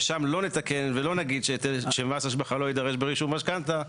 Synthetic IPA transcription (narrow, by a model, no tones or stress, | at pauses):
ʃamlo̞net̪ake̞nvelo̞naɡid̪ʃetʃemasaʃ̬baχalo̞id̪aʁeʃbeʁiʃumaʃkant̪a